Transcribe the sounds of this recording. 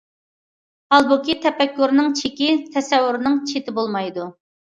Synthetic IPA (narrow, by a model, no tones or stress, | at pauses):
hɑlˠbukʲit̪ʰɛpɛkʲːuɾnɪŋt͡ʃʰekʲit̪ʰɛsɛwːʊɾnɨŋt͡ʃʰet̪ɪbolˠmɑjd̪u